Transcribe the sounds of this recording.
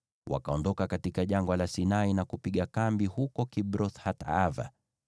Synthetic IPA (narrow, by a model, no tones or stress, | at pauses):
wa̰kaɔndɔkakatikaʄaŋɡalasinainakupiɠakambihukɔkibɾɔθhatava̰